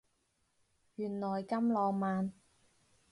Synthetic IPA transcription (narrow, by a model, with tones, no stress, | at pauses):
jyː˨˩nlɔː˨˩jkɐ˥mlɔː˧wmaː˨˧n